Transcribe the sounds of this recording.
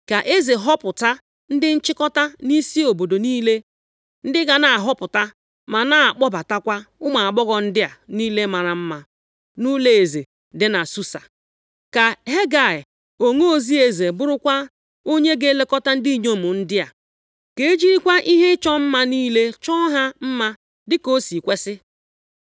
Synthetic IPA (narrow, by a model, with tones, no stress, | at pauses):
ka˨ʔe˦ze˨ɦɔ˦pʊ˨ta˦ | n̩˦dɪ˦n̩˦t͡ʃɪ˦kɔ˦ta˦ni˦si˦o˨bo˨do˨niː˦le˦ | n̩˦dɪ˦ɡa˨na˨a˨ɦɔ˦pʊ˨ta˦ | ma˨na˨a˨k͡pɔ˦ba˨ta˦kʷa˦ʊ˦ma˨a˨ɡ͡bɔ˦ɡɔ˨n̩˦dɪ˦a˨niː˦le˦ma˨ɾa˨m̩˦ma˦ | nu˦le˦˨e˨ze˨ | dɪ˦na˨su˦sa̰˨ | ka˨ɦe˦ɡa˨ɪ˨ | o˨ŋo˦o˦˨zi˦e˨ze˨bʊ˦ɾʊ˦kʷa˦ | o˦ɲe˦ɡe˦le˦kɔ˦ta˦n̩˦di˦i˦˨ɲo˦˨mʊ˨n̩˦dɪ˦a˨ | ke˨e˦d͡ʒi˦ɾi˦kʷa˦ʔi˦ɦe˦t͡ʃɔ˦m̩˦ma˦niː˦le˦t͡ʃɔ˦ɦa˦m̩˦ma˦ | dɪ˦ko˦si˨kʷe˦sɪ˦